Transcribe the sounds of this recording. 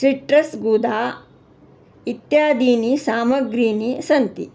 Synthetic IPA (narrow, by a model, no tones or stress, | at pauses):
sɾiʈɾɐsɡuːd̪aː | it̪jaːd̪iːnisaːmɐɡɾiːnisɐnt̪i